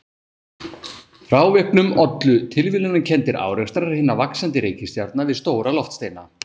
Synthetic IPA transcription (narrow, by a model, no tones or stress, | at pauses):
fɾaːwvɛhknʏmɔt̪lʏt̪ʰɪlvɪlʏnacʰɛnt̪ɪɾʔa̰ːwɾɛst̪aɾaɾ̥hɪːnːavaksant̪ɪɾeːjcɪst̪jaɾt̪navɪðst̪oːwɾalɔft̪st̪eːjna